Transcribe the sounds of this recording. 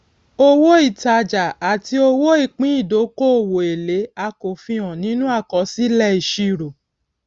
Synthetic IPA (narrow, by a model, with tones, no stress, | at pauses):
o˦wo˦i˦˨ta˧d͡ʒa˨a˨ti˧˦o˧wo˦i˦˨k͡pĩ˦i˦˨do˨˦ko˦o˦˨wo˨e˨le˨˦a˧ko˨fĩ˧ɔ̃˨nĩ˦nũ˦a˦˨kɔ˨˦si˦lɛ˧i˨ʃi˧˨ɾo˨